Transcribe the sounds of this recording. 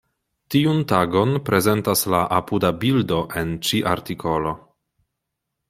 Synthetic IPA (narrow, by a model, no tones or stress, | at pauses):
tiuntaɡo̞npɾʔe̞ze̞ntaslaʔapudabildo̞ʔe̞nt͡ʃiʔa̰ɾtikʰo̞lo̞